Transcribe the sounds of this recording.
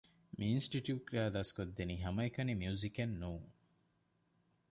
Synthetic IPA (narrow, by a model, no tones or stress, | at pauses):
miinsʈiʈjuːʈɾæːd̪ɐskod̪ːeniɦɐmɐekɐnimjuuzikenːuːŋ